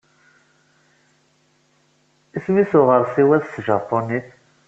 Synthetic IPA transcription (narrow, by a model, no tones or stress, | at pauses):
ismisʊʁəɾsiwæðsʒɑpːoniθ